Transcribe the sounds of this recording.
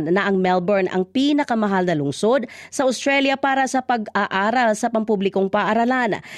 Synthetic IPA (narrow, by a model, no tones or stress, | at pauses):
nnɐʔɐŋmɛlbɛɹnʔɐ̰ŋpiːnɐkɐmɐɦalnɐlʊŋsod̪̚sɐʔost̪ɾɛljɐpaːɾɐsɐpɐɡaːʔaːɾɐlsɐpɐmpublɪko̞ŋpaːʔaɾɐlan